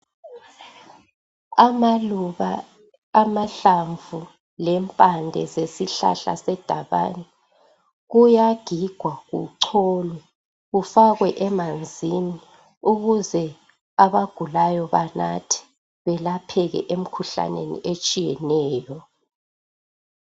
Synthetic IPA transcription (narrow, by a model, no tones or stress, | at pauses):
amauβaː | maɬaɱvʱu | lɛmpʼandʱɛ̰zesiɬa̰ɬa̰sɛd̥ʱaβa̰nɛ | ɣujaɡ̥ʱiɡ̥ʱwaɣṵǀʰɔːlwɛ | ɣufaɣwɛʔɛmand͡zʱini | uɣuzɛ | aβaɡ̥ʱulajɔβanatʰi̥ | βɛlapʰɛɣɛ̰ʔem̩kʰuɬa̰nḛnḭʔet͡ʃʼijɛnɛːjɔ